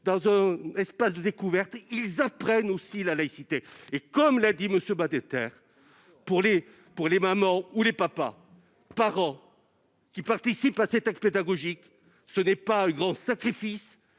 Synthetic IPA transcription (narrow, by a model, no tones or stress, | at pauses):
d̪ɑ̃zɛ̃ɛspasd̪əd̪ekuvɛʁt̪ilzapχɛnosilalaisit̪eːkɔmlad̪iməsjømad̪et̪ɛ̰ʁ | puʁle | puʁlemamɑ̃ulepapa̰ | paʁɑ̃ | kʲipaʁt̪isipasɛt̪akped̪aɡɔʒik | sənɛpaɛ̃ɡʁɑ̃sakχifis